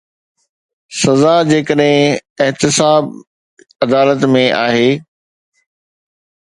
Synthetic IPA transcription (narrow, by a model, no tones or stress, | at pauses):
sɐzad͡ʑeːkəɗɦɪ̃ɪɦt̪ɪsaːb | ɐd̪aːlət̪mẽʔaːɦeː